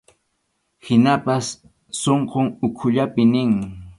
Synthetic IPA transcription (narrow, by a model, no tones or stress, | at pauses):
hɪnapasː | oɴqoŋʊkʰʊʎapɪnɪŋ